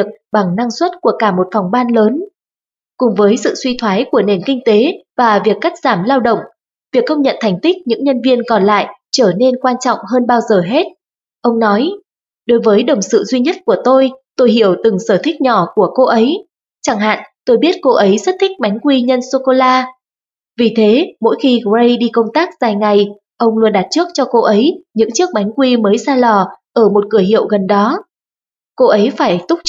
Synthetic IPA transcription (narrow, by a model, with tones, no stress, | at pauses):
i˩ək̚ɓa˨˩ŋna˧ŋswə˦˥t̚ku˧˩əkaː˧˩mo˨˩t̚fa˨˩wŋ͡mɓaː˧nləː˨˦n | kʊ˨˩ŋ͡mvəː˨˦jsɨ̰˧˨swi˧t̪ʰwaː˨˦jku˧˩əne˨˩nkï˧ŋ̟t̪e˨˦vaː˨˩vi˨˩əkːa˦˥k̚z̥aː˧˩mlaː˧wɗə̰˧˨wŋ͡m | vi˨˩əkːə˧wŋ͡mɲə̰˧˨nt̪ʰa˨˩jŋ̟t̪i˦˥k̚ɲɨ̰˧˥ŋɲə˧nvi˧ənkɔ˨˩nla̰ː˧˨jt͡ɕəː˧˩ne˧nkwaː˧nt͡ɕɔ̰˧˨wŋ͡mɦəː˧nɓaː˧wzəː˨˩ɦe˦˥t̚ | ʔə˧wŋ͡mnɔ˨˦j | ɗo˨˦jvəː˨˦jɗə˨˩wŋ͡msɨ̰˧˨zwi˧ɲə˦˥t̚ku˧˩ət̪o˧jt̪o˧jɦḭ˧˨əwt̪ɨ˨˩ŋsəː˧˩t̪ʰï˦˥k̟̚ɲɔ˧˩ku˧˩əko˧ʔə˨˦j | t͡ɕaː˧˩ŋɦa̰ː˧˨nt̪o˧jɓi˦˥ət̚ko˧ʔə˨˦jzə˦˥t̚t̪ʰï˦˥k̟̚ɓa˨˦jŋ̟kwi˧ɲə˧nso˧ko˧laː˧ | vi˨˩t̪ʰe˨˦mo̰˧˥jxi˧ɣə˧jɗi˧kə˧wŋ͡mt̪aː˦˥k̚z̥aː˨˩jŋa˨˩j | ʔə˧wŋ͡mlu˧ənɗaː˨˩t̚t͡ɕɨ˦˥ək̚t͡ɕɔ˧ko˧ʔə˨˦jɲɨ̰˧˥ŋt͡ɕɨ˦˥ək̚ɓa˨˦jŋ̟kwi˧məː˨˦jsaː˧lɔ˨˩ʔəː˧˩mo˨˩t̚kɨ˧˩əɦḭ˧˨əwɣə˨˩nɗɔ˨˦ | ko˧ʔə˨˦jfaː˧˩jjt̪ʊ˦˥k͡p̚